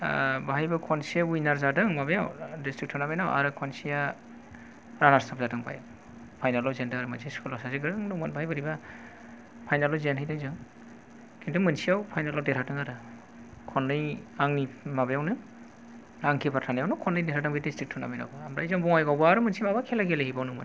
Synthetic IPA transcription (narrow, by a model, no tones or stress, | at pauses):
baɦajbɯkʰɔnsijaujnaɾzadɯŋmabejawdistɾik̚tʰɔnabajnawʔa̰ɾɯkʰɔnsija | ɾanaɾstʰap̚zadɯŋba̰ja̰w | pʰajnalɔwzendɯaɾɯmɯnsiaskʰulɔsaziɡɯɾɯŋdɔmɯnbaɦajbɯɾiba | pʰajnalɔwzenhɯjdɯjzɯŋ | kʰintʰumɯnsiawpʰajnalɔwdeɾʰadɯŋaɾɯ | kʰɔnːɯjaŋnimabajawnɯ | aŋkʰipatʰanajawnɯkʰɔnːɯjdeɾadɯŋbidistɾik̚tʰɔna̰bajna̰wbɯamɾaizɔŋbɔŋajɡawbaːɾɯmɯnsimabakʰelaɡelehibawnɔŋmɯ̰n